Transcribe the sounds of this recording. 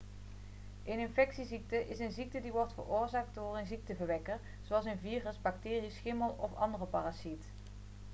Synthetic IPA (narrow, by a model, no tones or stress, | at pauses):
ʔənɪnfɛksizik̚təʔɪsənzik̚tədiʋɔɹtfə̰rʊːɹzaːk̚ddʊːrənzik̚təvəɹʋɛkəɹ | zoɑlˠs̬ənviːrəzbɑk̚tɪːrisxɪməlˠɔfɑ̰ndərəpaːrasit